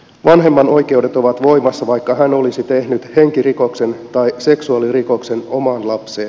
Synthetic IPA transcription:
ʋɑnɦe̞mːɑno̞jke̞wdet̪o̞ʋɑt̪ʋo̞jmɑsːɑʋɑjkːɑɦæno̞lisit̪e̞hnyt̪he̞ŋkiriko̞kse̞nt̪ɑjse̞ksuɑliriko̞kse̞no̞mɑnlɑpseːn

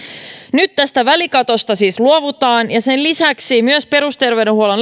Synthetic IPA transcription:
nyt̪ːæst̪æʋælikɑt̪o̞st̪ɑsiːsluo̞ʋut̪ɑːnjɑse̞nlisæksimyøspe̞ɾust̪e̞rʋe̞ɥdenɦuolen

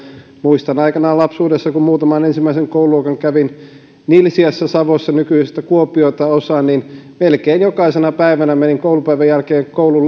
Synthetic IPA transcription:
muist̪ɑnɑikɑnɑːlɑpsuːdesːɑkummuːt̪ɑmɑnensimːæiseŋkouluokɑŋkæʋin | nilsiɑsːæsɑʋosːɑnykyisest̪ækuopˑioit̪ɑosɑːnninmelkeːnjokɑisenɑpæiʋænæmeniŋkoulupæiʋæjjælkeːŋkoulul

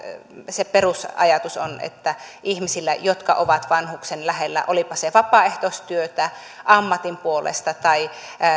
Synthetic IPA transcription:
seperusɑ̰jɑt̪uso̰nḛt̪ːæihmisilːæ̰jot̪kɑ̰ʔoʋɑt̪ʋɑnhuksenlæhelːæ̰ʔolipɑseʋɑpɑeht̪ost̪yøt̪æ | ʔɑmːɑt̪impuolḛst̪ɑt̪ɑi

